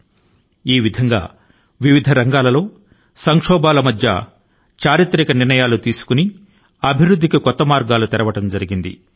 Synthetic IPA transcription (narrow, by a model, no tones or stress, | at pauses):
iːʋid̪ʱɐŋɡa̰ː | ʋiʋid̪ʱɐɾɐŋɡaːlɐlo̞ː | sɐŋkʂɔːbaːlɐmɐd̪ʱjɐ̰ | t͡ʃaːɾit̪ɾikɐniɾnɐjaːlut̪iːsu̥kuni | ɐbʱiɾud̪ʱːikikɔt̪ːɐmaːɾɡaːlut̪ɛɾɐʋɐʈɐmd͡ʒɐɾiɡind̪ḭ